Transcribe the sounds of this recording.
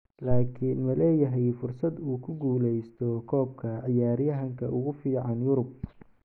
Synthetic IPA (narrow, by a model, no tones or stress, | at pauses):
laːkʰinmɐlɛːjɐɦɛjfʊrsɐd̪uːkʰʊɡuːlɛjst̪ʰɔkʰɔːb̚kʰɐʕɪjaːɾjɐɦɐŋkʰɐʔʊɣʊfiːʕɑnjʊɾʊb̚